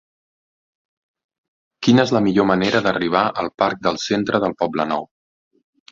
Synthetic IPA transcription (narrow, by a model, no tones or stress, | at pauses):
kinəezləmiʎoməneɾəðəriβ̞aʔəlˠpaɾk̚d̪əlˠsent̪ɾəðəlˠpɔblənɔ̰w